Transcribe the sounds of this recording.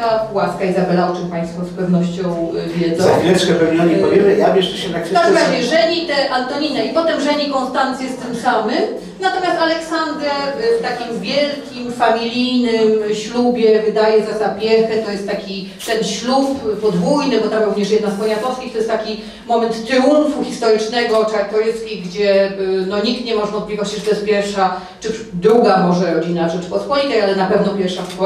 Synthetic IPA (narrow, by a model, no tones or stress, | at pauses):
awaskaizabɛlaɔt͡ʂɘmpaj̃st̪fɔspɛvnɔɕt͡ɕɔ̃w̃vʲjɛd̪zɔ̃vʲjɛʂkɛvɛviaɲɛɔvʲɛmɛamʲjɛʂɛɕɛt̪aksamɾad͡ʑɛʐɛɲit̪ɛʔant̪ɔɲinɛipɔt̪ɛmʐɛɲikɔ̃nst̪ant̪sjɛst̪ɘmsamɘm | nat̪ɔmʲjast̪alɛksand̪ɾɛft̪akʲimvʲjɛlkʲimfamʲilʲijnɘmɕlubʲjɛvɘd̪ajɛzazapʲjɛxɛt̪ɔjɛst̪t̪ːakʲi | t̪ɛnɕluppɔd̪vujnɘbɔt̪amɾuvɲɛʂ̬jɛd̪nazpɔɲazɔfskʲixt̪ɔjɛst̪akʲi | mɔmɛnt̪ːɾɛuɱfuxʲist̪ɔɾɘt͡ʂnɛɡɔt͡ʂaɾt̪ɔɾɘt̪skʲiɡd͡ʑɛnɔɲik̚t̪ɲɛmɔʐɛvɔnplʲivɔt͡ɕiʐɛt̪ɔjɛs̚pʲjɛɾfʂa | t͡ʂɘ | d̪ɾuɡamɔʐɛɾɔd͡ʑinaʐɛ̥pɔt̪pɔɲit̪ajalɛnapɛvnɔpʲjɛɾʂafk